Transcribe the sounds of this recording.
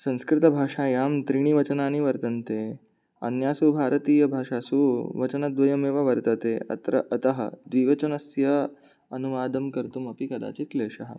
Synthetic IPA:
sɐ̃ñskɾɪt̪ɐbʱaːʂajaːmt̪ɾiɳ̃iːʋɐt͡ɕənaːniʋɐɾt̪ɐnt̪e | ɐ̰njaːsubʱaːɾət̪iːjɐbʱaːʂasuːʋɐt͡ɕɐnad̪ʋɐjɐmeːʋaʋɐɾt̪ət̪eɐ̰t̪ɾɐ̰ɐt̪ɐɦɐ̰d̪ʋiːʋɐt͡ɕɐnɐsjɐ | ɐnuʋaːd̪ɐmkɐɾt̪umɐpikɐd̪a̰ːt͡ɕit̪leːʂɐɦɐ

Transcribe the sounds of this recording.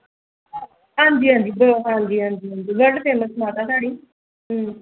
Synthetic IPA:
ɦãːnd͡ʒiːɦãːnd͡ʒiːbəɦãːnd͡ʒiːɦãːnd͡ʒiːɦãːnd͡ʒiːɡəɖt̪eːməsmaːt̪ãːt̪ʰaːɽiː | ɦ

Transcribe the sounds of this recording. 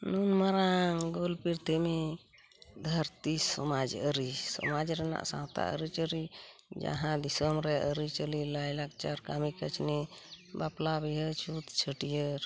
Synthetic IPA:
nunmaɾaŋɡolpiɾt̪ʰime | d̪ʱəɾt̪isɔmad͡ʒəɾisɔ̰mad͡ʒɾɛna̰ʔsã̰wt̪a̰ʔə̰ɾit͡ʃəɾid͡ʒa̰ɦãd̪isəmɾɛʔəɾit͡ʃəlilajlak̚t͡ʃaɾkamikət͡ʃʰnibaplabiɦət͡ʃʰut̪t͡ʃʰəʈijəɾ

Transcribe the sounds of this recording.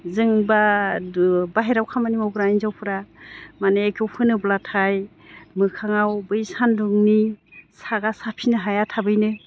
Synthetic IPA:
zɯŋba | baɦeɾawkʰamanimɔwɡɾajnzawpʰɯɾamaneːkʰewpʰɯnɯblatʰaj | mɯkʰaŋawbɯjsanduŋnisaɡasapʰinɯɦajatʰabɯjnɯ

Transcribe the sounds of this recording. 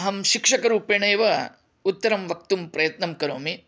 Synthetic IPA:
ɦɐmʃikʂɐkɐɾuːpeɳɐjɐʋɐ | ut̪ːɐɾɐmʋɐk̚t̪umpɾɐjɐt̪nɐmkɐɾoːmi

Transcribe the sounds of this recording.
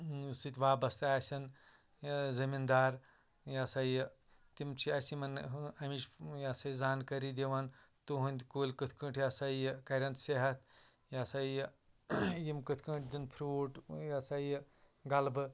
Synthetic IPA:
sɨt̪ʲʋaːbɐst̪aːsʲɐn | zɐmind̪aːɾ | jasɐj | t̪imt͡ʃʰiɐsimɐnɐmit͡ʃjaːsɐjzaːnkɐɾid̪ʲeʋɐn | t̪uɦunʲd̪ʲkuːlʲkɨt̪ʰkɨʈʰjasajkɐɾʲɐnt̪seɦɐt̪̚ʰ | jasɐj | jimkɨt̪ʰkɨ̃ʈʰd̪inpʰɾuːʈjasaj | ɡɐlbɨ

